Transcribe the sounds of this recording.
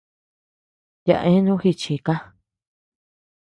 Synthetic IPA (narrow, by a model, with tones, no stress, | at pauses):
ja̰˧ʔẽ˦nũ˦hi˧t͡ʃi˧˨ka˦